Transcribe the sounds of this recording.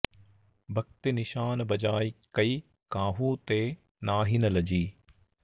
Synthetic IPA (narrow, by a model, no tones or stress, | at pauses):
bʱɐk̚t̪ɪnɪʃaːnbɐd͡ʒaːikɐiː | kãːɦuːt̪eː | naːɦinəlɐd͡ʑiː